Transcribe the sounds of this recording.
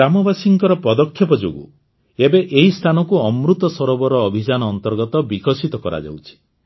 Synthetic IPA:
amɔbasiŋkɔɾɔpɔd̪ɔkʰjɔpɔd͡ʒo̰ɡṵ | ebeʔeɦist̪ʰanɔkuɔmɾut̪ɔsɔɾɔbɔɾɔːbʱid͡ʒanɔːnt̪ɔɾɡɔt̪ɔbikɔsit̪ɔkɔɾa̰d͡ʒa̰wt͡ʃʰi̥

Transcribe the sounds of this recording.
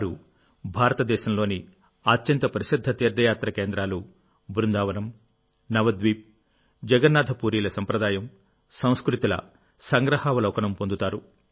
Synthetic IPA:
ɾu | bʱaːɾɐt̪ɐd̪ɛːʃɐmlo̞ːni | aːtːjɐnt̪ɐpɐɾɐʃid̪ʱːɐt̪iːɾd̪ʱːɐjaːt̪ɾɐkeːnd̪ɾaːlu | bɾund̪aːʋɐnɐm | nɐʋɐd̪ʋiːp̚ | d͡ʒɛɡɐɾnːaːd̪ʱɐpuːɾiːlɐsɐmpɾɐd̪aːjɐm | sɐ̃w̃skɾut̪ilɐ̰ | sɐŋɡɾɐhaːʋɐlɐwkɐnɐmpond̪ut̪aːɾu

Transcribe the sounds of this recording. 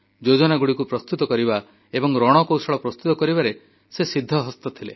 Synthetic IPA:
d͡ʒod͡ʒɔnaɡuɽikupɾɔst̪ut̪ɔkɔɾiba | ebɔŋɾɔɽ̃ɔkowsɔɭɔpɾɔst̪ut̪ɔkɔɾibaɾe | sesid̪ʱːɔɦɔst̪ɔt̪ʰilḛ

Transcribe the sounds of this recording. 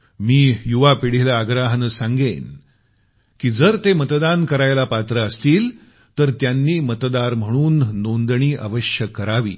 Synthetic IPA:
miːjuʋapiɽ̤ilaːɡɾaɦənsãŋɡen | kiːd͡zəɾt̪emət̪d̪ankəɾajlapat̪ɾəəst̪iːl | t̪əɾt̪janːiːmət̪d̪aɾm̤əɽ̃uːnːond̪ɳ̃iːʔa̰ʋəɕjəkːəɾaʋḭː

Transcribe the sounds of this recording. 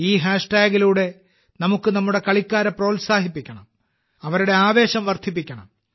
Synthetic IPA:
iːɦaːʂʈaːɡiluːɽe̞ | nɐmukːɨnɐmːuɽe̞kɐɭikʲːaːɾɐpro̞ːlsaːɦipːikʲːɐɳɐm | ɐʋɐɾuɽe̞aːʋe̞ːɕɐmʋɐrd̪ʰʱip̬ːikʲːɐɳɐ̰m

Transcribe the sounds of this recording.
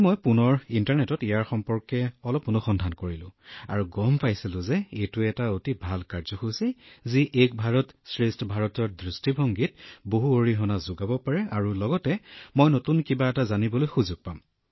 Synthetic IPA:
mɔjpunɔɹintaɹnɛtɔtijaɹxɔmpɔɹkɛɔlɔpunɔxɔndʱankoɹilʊ̰̃a̰ɹuɡɔmpajsilʊ̃zɛejtʊɛtaotibʱalkaɹzɔxusiziʔek̚bʱaɹɔtsɹistʰbʱaɹɔtɔɹdɹistibʱɔŋɡit̚boɦuoɹiɦɔnazʊɡabɔpaɹɛaɹulɔɡɔtɛmojnotunkibaɛtazanibɔlojxuzuɡ̚pam

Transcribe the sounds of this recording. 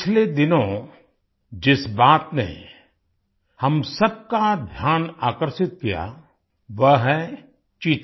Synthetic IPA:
ɪt͡ʃʰled̪ɪnõ | d͡ʒɪsbaːt̪nḛ | hɐmsɐb̚kad̪ʱjaːnaːkəɾʃɪt̪̚kija̰ | ʋəɦɦɛ | t͡ʃiːt̪

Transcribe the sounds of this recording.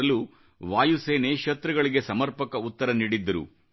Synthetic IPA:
ɐlu | ʋaːjuse̞ːneːʃɐt̪ɾɐɡɐɭiɡe̞sɐmɐɾpɐkɐut̪ːɐɾɐniːɽid̪ːɐɾṵ

